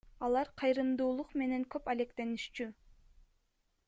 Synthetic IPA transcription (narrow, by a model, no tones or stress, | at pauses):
ɑlˠɑɾqʰɑjɾɯmd̪uːlˠuqme̞ne̞ŋkø̞pæle̞kt̪e̞nyʃt͡ʃy